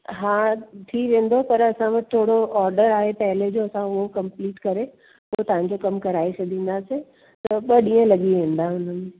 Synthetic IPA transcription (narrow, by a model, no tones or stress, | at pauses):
ɦãːʈ̪ʰiːʋẽːnd̪opɐɾɐsãʋɐt̪ʰɪt̪ʰoːɽoɔːɾɖəɾaːɦepɐɦɪled͡ʑoːɐsãʊɦokɐ̃mpliːʈkɐɾe | ot̪ɐʋ̤ãɲ̆d͡ʑokɐmkɐɾaːesɐd̪ʱĩːn̆d̪ase | t̪ɐɓɐɗĩːə̃lɐɠiʋẽːnd̪aɦʊn̤ənɪ